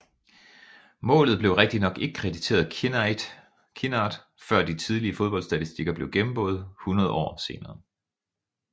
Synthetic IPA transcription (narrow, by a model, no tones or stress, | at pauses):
mɔ̰̽ːlð̩ˠb̥le̝ʊʁɛɡ̥̚d̥inɒ̽ɡ̥e̝ɡ̥əkʰʁɛdit͡sʰe̝̰ːɐð̩̥ˠ | kʰinɑ̈d̥ | fɶɐ̰d̥it͡sʰið̞ˠliəfo̝ð̞ˠb̥ɒ̽lsd̥æt͡sʰisd̥iɡ̥ɐb̥le̝ʊɡ̥emm̩b̥o̝ːð̞̩ˠhunɐð̞̩ˠɒ̰ːse̝ːnɐː